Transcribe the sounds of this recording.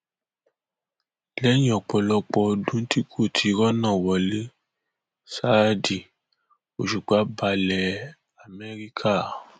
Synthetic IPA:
lɛ˦jĩ˦˨ɔ˨k͡pɔ˨lɔ˧k͡pɔ˧˦dũ˦n̩˦ti˦kʰo˦˨tʰi˨˦ɾɔ˦nã˦˨wɔ˨le˦ | sa˦di˨ | o˨ʃu˨ɡ͡ba˨˦ba˧lɛ˨ | a˨mɛ˦ɾi˦kʰa˦˨

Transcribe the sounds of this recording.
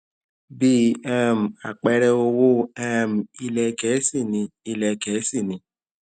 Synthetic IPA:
bi˦ã˦˨m̩˨a˨k͡pɛ˧ɾɛ˧o˧wo˦a˦˨m̩˨i˧lɛ˧kɛ˨˦si˦˨nĩ˧˦i˧lɛ˧kɛ˨˦si˦˨nĩ˨˦

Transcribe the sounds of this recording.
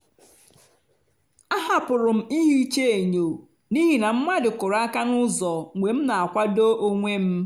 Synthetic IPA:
a˦ɦa˨pʊ˨ɾʊ˨m̩˦i˦ɦi˦i˦t͡ʃe˦e˨ɲo˨ | ni˦ɦi˨na˨m̩˦ma˦dɪ˨kʊ˨ɾa˦ka˦nʊ˦zɔ˨ŋʷe˨m̩˦na˨a˨kʷa˦do˦ʔo˦ŋʷe˦m̩˦

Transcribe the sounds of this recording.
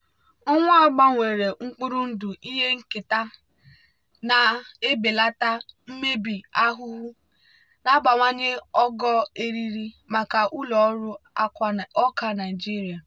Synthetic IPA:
ɔ˦ŋʷa˦ɔ˦ɡ͡ba˦ŋʷe˨ɾe˨ŋ͡m̩˦k͡pu˦ɾu˦n̩˦du˨ʔi˦ɦe˦ŋ̩˦kɪ˨ta˦ | na˨e˦be˨la˦ta˦m̩˦me˦bi˨a˦ɦʊ˦ɦu˦ | na˦ba˨ŋʷa˦ɲe˦ɔ˦ɡɔ˦e˦ɾi˦ɾi˦ | ma˨ka˨ʔu˦lɔ˨˦ɾʊ˦a˦ɔ˦ka˦na˨ɪ˨d͡ʒi˦ɾi˨a˨

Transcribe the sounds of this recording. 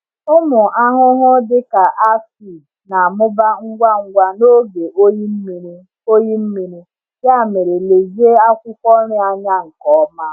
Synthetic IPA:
ʊ˦mʊ˨ʔa˦ɦʊ˦ɦʊ˦dɪ˦ka˨ʔa˦fi˨ | na˨a˨mʊ˦ba˦ŋ̩˦ɡʷa˦ŋ̩˦ɡʷa˦no˦ɡe˨ʔo˦ji˦m̩˦mi˨ɾi˦ | o˦ji˦m̩˦mi˨ɾi˦ | ja˦a˦˨me˨ɾe˨le˨zi˦e˦a˦kʷʊ˦kʷɔ˦ɾɪ˦a˦ɲa˦ŋ̩˨kɔ˦ma˦

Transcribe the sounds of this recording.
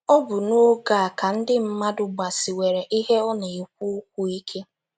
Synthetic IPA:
ɔ˦bʊ˨no˦ɡa˨a˨ka˨n̩˦dɪ˦m̩˦ma˦dʊ˨ɡ͡ba˨si˨we˨ɾe˨ʔi˦ɦe˦ɔ˦ne˨i˨kʷu˦k̚ʷu˨i˦kʰe˦

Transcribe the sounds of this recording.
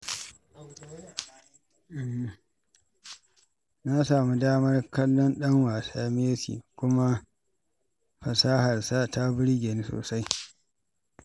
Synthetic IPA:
ʔm˨ | na˦saː˨mu˦daː˦mɐ˦rkɐ˦lːɔ˦nɗɐ˦ŋwaː˨saː˦meː˦sḭː˨kʷʊ˦ma˦ | ɸɐ˨saː˦hɐ˨rsa˦ta˦bɪ˦ɽɡʲe˨ni˦so̰ː˨sa˦j

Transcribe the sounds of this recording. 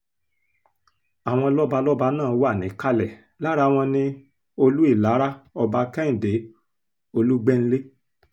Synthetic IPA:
a˨w̃ɔ̃˧lɔ˦ba˧lɔ˦ba˧nãː˦˨˦wo˦a˦˨nĩ˨˦ka˦lɛ˨ | la˦ɾa˧w̃ɔ̃˧nĩ˧ | o˧lu˦i˦˨la˨˦ɾa˦ɔ˧ba˧kɛ˦ĩ˨de˨˦ | o˧lu˦ɡ͡bɛ˦n̩˦le˦

